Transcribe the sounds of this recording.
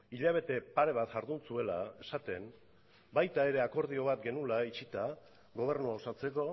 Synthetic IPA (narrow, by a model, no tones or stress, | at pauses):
iʎaβ̞e̞t̪e̞paɾe̞β̞at̪ʝaɾðunt͡sue̞la̰e̞sat̪e̞m | bajt̪ae̞ɾe̞ako̞ɾð̞io̞β̞at̪ɡe̞nulait͡ʃit̪a | ɣo̞β̞e̞ɾnuosat͡se̞ko̞